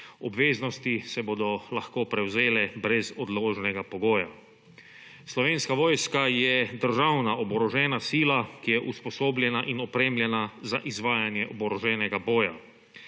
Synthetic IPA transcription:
ɔbʋeːznɔst̪isɛboːd̪ɔlaxkoːpɾɛwzeːlɛbɾɛzɔd̪loːʒnɛɡapɔɡoːja̰ | slɔʋeːnskaʋoːjskajɛd̪əɾʒawnaʔɔbɔɾɔʒɛːnasiːlakijɛʔuspɔsoːblʲjɛnaʔinɔpɾeːmljɛnazaʔizʋaːjanjɛʔɔbɔɾɔʒɛːnɛɡaboːja

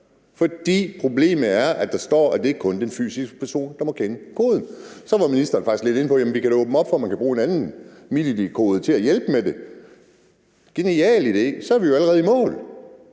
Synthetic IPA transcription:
fɒ̽d̥ḭːpʰʁo̝ble̝̰ːmð̩ˠæɐʔæd̥ɑ̈sd̥ɒ̰ːæd̥e̝eɡ̥̚kʰɔ̽nd̥enfy̰ːsisɡ̥ə̥pʰæɐso̝̰ːnd̥ɑ̈mɒ̽kʰenəkʰo̝ːð̞ˠn̩sɒ̽ʋɑ̈minisd̥ɐn̩fɑ̈ɡ̥isle̝d̥e̝nəpʰɒ̽jemn̩ʋikæd̥ɔːb̥m̩ɒ̽b̥fɒmænkʰæb̥ʁuːe̝nænn̩milid̥ikʰo̝ːð̞̩ˠt͡sʰe̝æjelb̥əmed̥e̝ | ɡ̥e̝niɛ̰ːlid̥e̝sɒæɐʋijo̝æləʁɛːð̞̩ˠimɔ̰̽ːl

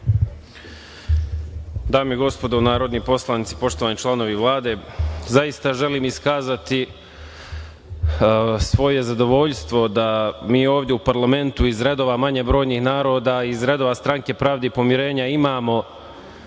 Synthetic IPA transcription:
d̪aːmieɡo̞spo̞d̪onaːɾo̞d̪nipo̞slˠanit̪si̥po̞ʃt̪oʋanit͡ʃlˠano̞ʋiʋlˠaːd̪e̞zaist̪aʒe̞liːmiskaːzat̪i | sʋo̞je̞zad̪o̞ʋo̞ʎst̪ʋo̞d̪amiːo̞ːʋd̪jeupaɾlˠame̞nt̪uizɾe̞d̪o̞ʋamaɲebɾo̞ːjnixnaːɾo̞ːd̪aːizɾe̞d̪oːʋast̪ɾaŋke̞pɾaːʋd̪epo̞mjiɾe̞ːɲaimaːmo̞

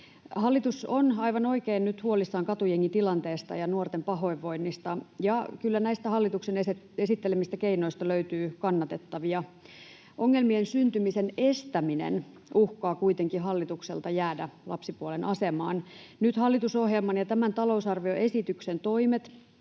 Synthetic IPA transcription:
hɑlːit̪usonɑiʋɑno̞ikeːnnyt̪huolisːɑːŋkɑt̪ujeŋːit̪ilɑnt̪eːst̪ɑ̰jɑnuort̪empɑɦo̞iʋːoinːist̪ɑjɑkylːænæist̪æhɑlːit̪uksenes | esit̪ːelemist̪ækeinoist̪ɑløyt̪yːkɑnːɑt̪et̪ːɑʋiɑ | ʔoŋːelmiensynt̪ymisenest̪æminḛn | uhkɑːkuit̪eŋkiɦɑlːit̪uksḛlt̪ɑjæːdælɑpsipuolenʔɑsemɑːnnyt̪hɑlːit̪usohjelmɑnjɑt̪æmænt̪ɑlousɑrʋio̞ʔesit̪yksent̪oimet̪

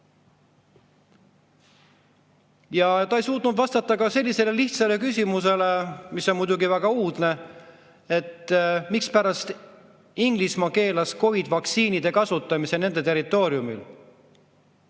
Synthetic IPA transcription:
jɑt̪ɑejsuːt̪nud̪vɑst̪ɑt̪ːˑɑkɑse̞lʲːise̞le̞liht̪sɑle̞kysʲimuse̞le̞misːo̞nmujd̪uɡivæɡ̥ɑuːd̪̥ne̞ | e̞t̪ːmikspæɾɑst̪ | iŋɡ̥lismɑke̞ːlɑsko̞vid̪̥vɑk̪siːnid̪̥e̞kɑsut̪ːˑɑmise̞ne̞nd̪e̞t̪e̞ɾit̪ˑːo̞ːɾiumḭl

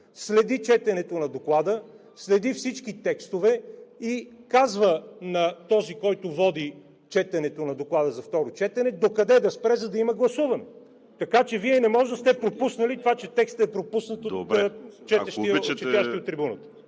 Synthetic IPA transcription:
slɛd̪it͡ʃɛt̪ɛnɛt̪onɐd̪oklˠad̪ə | slɛd̪ifsit͡ʃkit̪ɛkst̪ovɛikazvənɐt̪ɔzikɔjt̪ovɔd̪i | t͡ʃɛt̪ɛnɛt̪onɐd̪oklˠad̪əzɐft̪ɔɾot͡ʃɛt̪ɛnɛd̪okɐd̪ɛd̪ɐspɾɛzɐd̪ɐimɐɡlˠɐsuvɐnɛ | t̪ɐkat͡ʃɛviɛnɛmɔʒd̪əst̪ɛpɾopusnəlit̪ovat͡ʃɛt̪ɛkst̪əɛpɾopusnət̪ot͡ʃɛɛʃt̪it͡ʃɛt̪jaʃt̪iot̪ːɾibunət̪ə̥

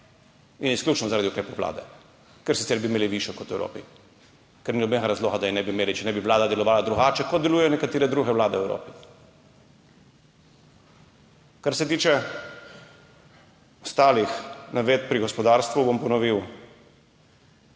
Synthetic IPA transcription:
inisklʲuːt͡ʃnɔzaɾaːd̪iukɾeːpoʋla̰ːd̪ɛ | kɛɾsit̪sɛɾbimeːliʋiʃjɔkɔt̪wɛwɾo̰ːpi | kɛɾninɔbɛɡaɾazloːɣad̪ajinɛbimeːlit͡ʃɛnɛbiʋlaːd̪ad̪ɛlɔʋaːlad̪ɾuɡaːt͡ʃɛkɔt̪̚d̪ɛluːjɛjɔnɛkat̪eːɾɛd̪ɾuɣɛʋlaːd̪ɛwɛwɾo̰ːpi̥ | kaɾsɛt̪iːt͡ʃɛ | ɔst̪aːlixnaʋeːt̪̚pɾiɡɔspɔd̪aːɾst̪ʋubɔmpɔnɔʋiw

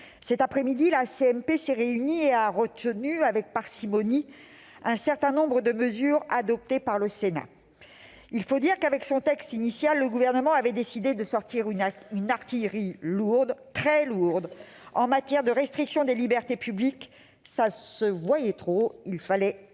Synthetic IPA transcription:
sɛt̪apχɛmid̪ilaseɛmpesɛʁeynieaʁət̪ənyavɛk̚paʁsimɔni | ɛ̃sɛʁt̪ɛ̃nɔ̃bʁəd̪əməzyʁad̪ɔp̚t̪epaʁləsena̰ | ilfod̪iʁkavɛksɔ̃t̪ɛkst̪inisjalːəɡuvɛʁnəmɑ̃avɛd̪esid̪ed̪əsɔʁt̪ʰiʁynaʁt̪ijʁiluʁd̪t̪χɛluʁd̪ | ɑ̰̃mat̪jɛʁd̪əʁɛst̪χiksjɔ̃d̪elibɛʁt̪epyblik | sasəvwajɛt̪χoilfalɛ

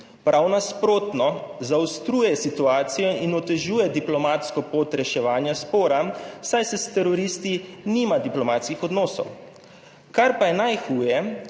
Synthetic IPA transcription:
pɾʔawnaspɾoːt̪nɔzawst̪ɾuːjɛsit̪uaːt̪sijɔinɔt̪ɛʒuːjɛd̪iplɔmat̪skɔpoːt̪ɾɛʃɛʋaːnjaspoːɾasajsɛst̪ɛɾɔɾist̪iniːmad̪iplɔmaːt̪skixɔd̪nɔːsɔ̰w | kaɾpajɛnajxuːjɛ

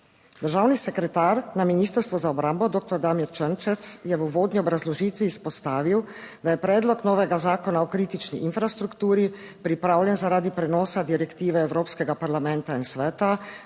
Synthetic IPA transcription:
d̪əɾʒawnisɛkɾɛt̪aːɾnaminiːst̪əɾst̪ʋɔzaɔbɾambɔd̪oːk̚t̪ɔɾd̪aːmiɾt͡ʃənt͡ʃɛt̪sjɛʋəʋoːd̪niɔbɾazlɔʒiːt̪ʋiːspɔst̪aːʋiwd̪ajɛpɾɛːd̪lɔknɔːʋɛɡazaːkɔnaɔkɾiːt̪it͡ʃniʔinfɾast̪ɾukt̪uːɾi | pɾipɾaːwljɛnzaɾaːd̪ipɾɛnɔːsad̪iɾɛkt̪iːʋɛɛwɾoːpskɛɡapaɾlamɛnt̪ainsʋɛːt̪a

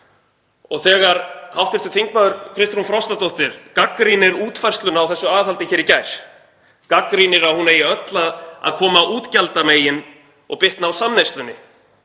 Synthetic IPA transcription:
ɔ̰ɣθɛːɣaɾhawht̪ɪɾt̪ʰʏɾt̪ʰeŋk̚maðʏɾkʰɾɪst̪ɾunfɾawst̪at̪owht̪ɪɾ̥kakɾinɪɾuːt̪fajr̥st̪lʏnaːwθɛsːʏaːðhalt̪ɪçɛːɾicajɾ̥ | kakɾinɪɾaðhuneːjɪœt̪laa̰ðkʰɔːmaʔuːt̪calt̪ameːjɪn | ɔ̰ɣpɪht̪naːwsamnejst̪lʏnːɪ

